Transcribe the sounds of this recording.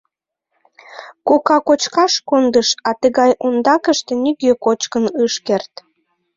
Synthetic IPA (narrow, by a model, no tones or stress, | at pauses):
kokɑkot͡ɕkɑʃkond̪əʃɑt̪əɣɑjʔond̪ɑkəʃt̪enyɣøkot͡ɕkənɨʃkert̪